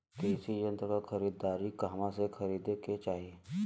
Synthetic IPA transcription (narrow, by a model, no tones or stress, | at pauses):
keɪsijə̃nt̪ɾkakʰɐɾiːd̪aːɾikaːmãsexʰɐɾiːd̪eket͡ʃaːɦieː